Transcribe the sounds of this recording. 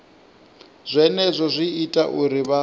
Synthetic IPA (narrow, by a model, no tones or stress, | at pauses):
z̥ʷɛnɛzʷɔzʷiːtʼaʔuɾiβa